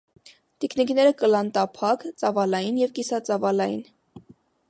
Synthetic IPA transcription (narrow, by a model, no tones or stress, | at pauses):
t̪ikʰniknɛɾəkəlɑnt̪ɑpʰɑkt͡sɑvɑlɑjinjɛvkisɑt͡sɑvɑlɑjḭn